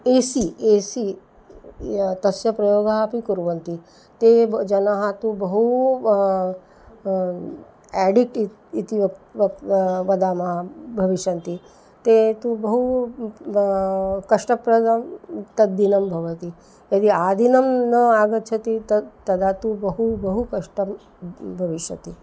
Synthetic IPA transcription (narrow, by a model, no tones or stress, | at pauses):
eːsieːsi | t̪ɐsjɐpɾɐjoːɡaɦapikuɾʋɐnt̪i | t̪ed͡ʒɐnaɦat̪ubɐɦu | æɖikʈi | it̪iʋɐʋʋɐd̪aːmɐɦabʱɐʋiʃjɐnt̪i | t̪et̪ubɐɦu | kɐʂʈɐpɾɐd̪amt̪ɐːinɐmbʱɐʋɐt̪i | jɐd̪iaːd̪ʱinɐmnɐaːɡɐt̪ːt͡ʃʰɐt̪it̪ɐt̪ɐd̪ʱat̪ubɐɦubɐɦukɐʂʈɐm | bʱɐʋiʃjɐt̪i